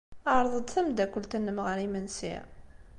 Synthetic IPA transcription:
əɾˤðˤəd̪θæmd̪ækʷːəlt̪ənːəmʁəɾimənsḭ

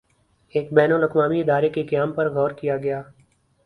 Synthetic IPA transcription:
eːkbɛːnʊlɐkmaːmiɪd̪aːɾekekɐjaːmpɐɾɡʱɔːɾkijaɡɐjaː

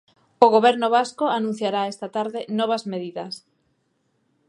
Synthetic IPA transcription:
oɣoβɛɾnʊβaskoanũn̟θjaɾaest̪at̪aɾðenɔβ̞azmeðiðɐs

